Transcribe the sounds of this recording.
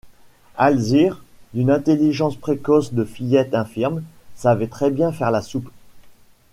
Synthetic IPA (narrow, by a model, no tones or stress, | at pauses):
alziʁd̪ynɛ̃t̪eliʒɑ̃spχekɔsd̪əfijɛt̪ɛ̃fiʁmsavɛt̪χɛbjɛ̃fɛʁlasup